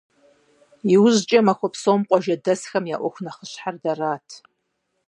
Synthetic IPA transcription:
iwʊʒt͡ʃʼɐmaxʷapʰsomqʷʼɔʒɐdɐsxɐmja̰ʔʷɔxʷnaχəɕħardaraːtʰ

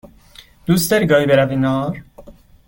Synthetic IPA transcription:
d̪̥ust̪eɾɡɒːjbeɾavinɔːɾ

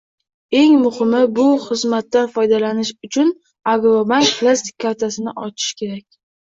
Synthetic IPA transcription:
e̞ŋmʊhɪmɪbʊχɨzmat̪ːanfɒjd̪alanɪʃʊt͡ʃʰʊn | aɡɾobanpʰlˠast̪ɪ̥kʲʰːaɾt̪ʰasɪnɪʔɒt͡ʃʰɪ̥ʃkʲʰe̞ɾakʲ

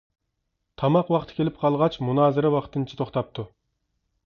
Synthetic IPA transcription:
t̪ʰɑmɑqwɑqt̪ʰɨ̥kʲʰelɪp̚qʰɑlˠʁɑt͡ʃʰmunɑːzɨɾɛwɑqʰt̪ʰɨnt͡ʃʰi̥t̪ʰoχt̪ɑp̚t̪ʰu

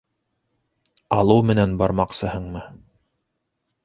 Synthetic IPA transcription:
ɑlˠɤwmɘ̆nænbɑɾmɑqsɤ̆hɤɴmɤ

